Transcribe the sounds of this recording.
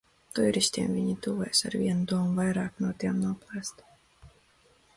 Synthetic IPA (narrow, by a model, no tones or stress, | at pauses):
t̪ujɾisʲt̪ʲiɛmvʲiɲit̪uːvɛjsa̰ɾvʲiɛnud̪uɔmuvajɾɑːknuɔt̪iɛmnuɔplˠæːst̪